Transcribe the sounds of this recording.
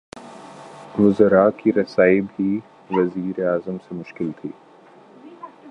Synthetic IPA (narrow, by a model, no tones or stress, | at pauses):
ʋʊzəɾakiɾɐsaːibʱi | ʋɐziːɾeaːzəmsemʊʃkɪlt̪ʰiː